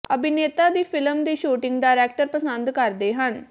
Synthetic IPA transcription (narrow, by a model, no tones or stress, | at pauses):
əbɪneːt̪aːd̪iːpʰɪləmd̪iːʃuːʈɪ̃ŋɡɖaːɾɛːkʈəɾpəsənd̪kəɾd̪eːɦən